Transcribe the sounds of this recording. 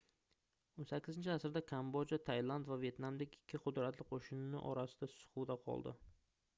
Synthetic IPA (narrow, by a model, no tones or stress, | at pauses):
onsakʲʰːɪzɪnt͡ʃʰɪasɾd̪akʰambod͡ʒat̪ʰajlˠand̪vavje̞t̪namd̪ekʲɪkʲʰːɪqʰʊd̪ɾat̪lɪqʰoʃɪnɪnɪʔɒ̰ɾasɪ̥d̪asʊ̥χud̪aqʰɒ̰lˠd̪ɪ̰